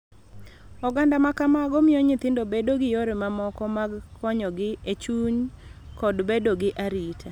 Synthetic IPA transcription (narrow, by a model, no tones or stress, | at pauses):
ɔɡandamakamaɡomɪjoɲɪt̪ɪndobedoɡɪjoɾɪmamɔkɔmaɡkʰɔɲɔɡɪet͡ʃuɲkɔdbedoɡɪʔaɾitʰa